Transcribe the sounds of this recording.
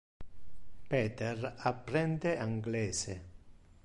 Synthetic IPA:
pɛːt̪erapːɾɛnd̪eʔaŋɡlɛːse

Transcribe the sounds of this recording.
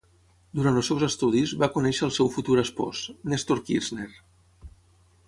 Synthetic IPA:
d̪uɾant̪əlˠsɛwzəst̪uðizβakunɛʃəːlˠsɛwfut̪uɾəspɔ̰znest̪oɾkizner

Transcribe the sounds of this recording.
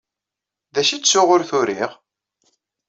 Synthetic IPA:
ðæʃit͡sːsʊʁʊɾθʊɾiʁ

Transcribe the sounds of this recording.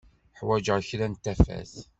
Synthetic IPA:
ħwæd͡ʒəɾçɾænt̪ːæfæ̰θ

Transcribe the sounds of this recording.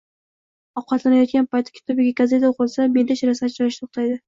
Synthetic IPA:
ɒqqɑt̪lanajɒt̪kʲanpajt̪ʰːɪ̥kʰʲɪ̥t̪ʰɒbɪɡʲakʲazet̪aoqʰɨlˠsame̞nd̪aʃɾasat̪t͡ʃɒjɪʃt̪ʰoχt̪ajd̪ɪ

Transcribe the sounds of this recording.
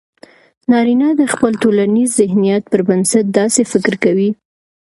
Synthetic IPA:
nɑɾinɑd̪əxpəlt̪olanizːɪhnijat̪̚pəɾbənsat̪̚d̪ɑsefɪkɾkawi

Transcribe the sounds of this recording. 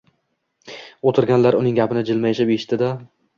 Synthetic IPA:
ot̪ʰɪɾɡʲanlaɾʊnɪŋɡʲapʰɪnɪd͡ʒɪlmajeʃapeʃt̪ɪd̪a

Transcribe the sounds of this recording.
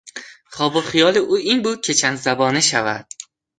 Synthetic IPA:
χɒːboχijɒːliʔuːiːnbuːd̪̥̚cʲʰet͡ʃʰænd̪zæbɒːneʃævæ̰d̪̥̚

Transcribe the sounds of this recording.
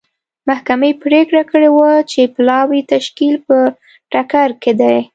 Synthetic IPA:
mahkamepɾekɽakəɽewat͡ʃeplɑwit̪aʃkilpə | ʈakaɾked̪aj

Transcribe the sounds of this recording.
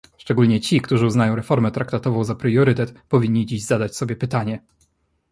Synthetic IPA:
ʂt͡ʂɛɡulɲɛt͡ɕikt̪uʐɘuznajɔ̃w̃ɾɛfɔɾmɛt̪ɾʔakt̪at̪ɔvɔ̃w̃zapɾɛjɔɾɘt̪ɛt̪pɔvʲiɲːid͡ʑiʑzad̪at͡ɕsɔbʲjɛpɘt̪aɲɛ

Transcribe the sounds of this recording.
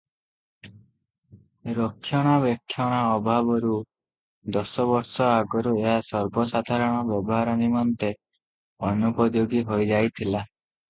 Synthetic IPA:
ɾɔkʰːjɔɽ̃abjɔkʰːjɔɽ̃aɔbʱabɔɾu | d̪ɔsɔbɔɾsɔaɡɔɾueɦasɔɾbɔsad̪ʱaɾɔɽ̃ɔbjɔbɔɦaɾɔnimɔnt̪e | ɔnupɔd̪joɡiɦojd͡ʒajt̪ʰila

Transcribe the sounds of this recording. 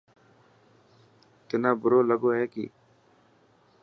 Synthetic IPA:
t̪ɪnaːbʊɾoːləɡoːɦɛːkḭː

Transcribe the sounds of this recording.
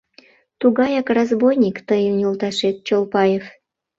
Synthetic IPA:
t̪uɣɑjɑkrɑzbojnʲikt̪əjənʲjolt̪ɑʃet̪̚t͡ɕolˠpɑjef

